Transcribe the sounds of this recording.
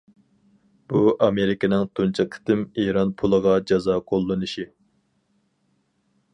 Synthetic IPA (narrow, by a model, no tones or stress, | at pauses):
b̥uʔɑmeɾɪkʲɪnɪŋt̪ʰunt͡ʃʰɑqʰɪ̥t̪ɪmiɾɑnpʰulˠəʁɑd͡ʒɑzɑqʰolˠːɨnɨʃi